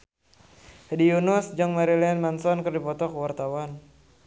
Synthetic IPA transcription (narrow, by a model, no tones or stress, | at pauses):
hdiunʊsd͡ʒaŋmaɾilɛnmansɔnkɨrdipɔt̪ɔkəwart̪awan